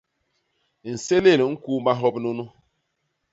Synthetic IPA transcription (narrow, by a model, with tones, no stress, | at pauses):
n̩˨se˦le˦˨lŋ̩˦ku˦ma˦ɦɔ˦pno˦nu˦